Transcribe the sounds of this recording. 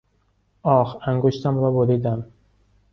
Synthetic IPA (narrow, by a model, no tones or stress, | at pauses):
ʔɒːxæŋɡoʃt̪ʰæmɾɒːboɾiːd̪æm